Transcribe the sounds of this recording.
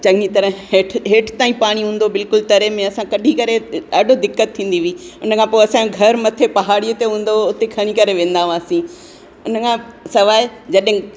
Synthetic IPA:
t͡ɕɐ̃ŋɡit̪ɐɾə̃ɦeːʈʰɦeːʈʰt̪aːĩpaːɽ̃iɦũːn̆d̪obɪlkʊlt̪ɐɾemẽɐsãkɐɗʱikɐɾeɗaːɖʱod̪ɪkːət̪ʰːĩːn̆d̪iʋiːʊnə̆kʰãpoːɐsãɡʱɐɾmɐt̪ʰepɐɦaːɽijət̪eɦũːn̆d̪oʊt̪ekʰɐɽ̃ĩkɐɾeʋẽːn̆d̪ããːsĩ | ʊnəkʰãsɐʋaːed͡ʑɐɗɦɪ̃

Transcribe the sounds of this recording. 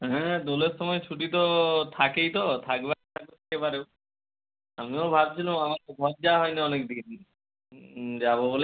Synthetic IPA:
ɦɛ̃d̪oleɾʃɔmɔjet͡ɕʰuʈit̪ot̪ʰakejt̪ot̪ʰakbat̪ʰak̚bot̪ʰe̥kepaɾe | amiobʱab̚t͡ɕʰilamamakebʱɔb̚d͡ʑaaɦɔjniɔnekd̪in | d͡ʑabobole

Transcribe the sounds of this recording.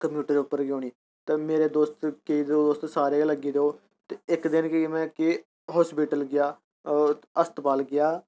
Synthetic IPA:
kəmjuːʈəɾdeʊpːəɾɡõːniː | t̪aːmeːɾeːd̪oːst̪keiːd̪oːd̪oːst̪saːɾeːləɡiːd̪eːoː | t̪eɪkd̪ɪnkɪmɛ̃ːkɪ | ɦɔːspiːʈəlɡɪjaː | əst̪baːlɡɪjaː

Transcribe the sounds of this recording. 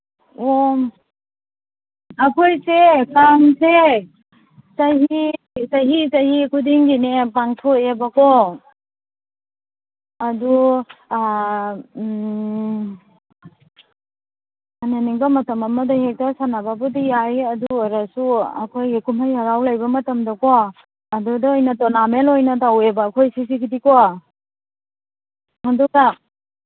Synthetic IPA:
o | akʰojsekaŋse | saɦi | sajɦisahikʰudiŋɡinepaŋtʰoebakɔ | adu | ananiŋbamɐtɐmamadahek̚tasanababudijajɐduɔɾasua̰kʰojɡikumhajaɾawlajbɐmɐtɐmdɐkoː | dudɔːjnatɔnamelojnadawebaːkʰojsisikidikɔ | haduka

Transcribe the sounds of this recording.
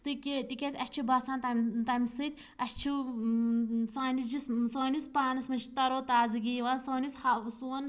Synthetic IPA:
t̪ɨkʲt̪ikʲet͡sʲɐsʲt͡ʃʰibɐsaːnt̪ɐmʲt̪ɐmʲisɨt̪ʲ | ɐst͡ʃʰi | saːnʲisd͡ʒissoːnʲispaːnɨsmɐnt͡ʃʰi̥t̪ɐɾoːt̪aːzɨɡiːʋaːnsoːnishɐsuːn

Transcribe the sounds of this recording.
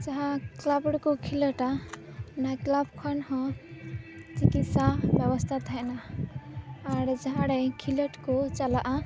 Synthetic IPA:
d͡ʒaɦãklabɽkokʰilɔʈa | naklabkʰɔnɦɔ̃ | t͡ʃikit̪sabjəbɔst̪ʰat̪ɦajnaː | ɾd͡ʒaɦãɽɛkʰilɔʈkot͡ʃalaʔa

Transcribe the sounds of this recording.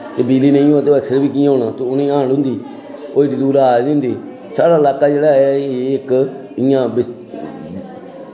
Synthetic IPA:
t̪eːbiːliːnẽĩũːãːt̪eoːɛksɾeːbiːk̪̬ijãːɦonãːt̪eʊnĩːãːɽʊ̃nd̪iː | oːiʈiːd̪uːɾaːʊ̃nd̪iː | saːɽaːlaːkːaːd͡ʒeːɽaːɛeɪk | ɪjãːbɪs

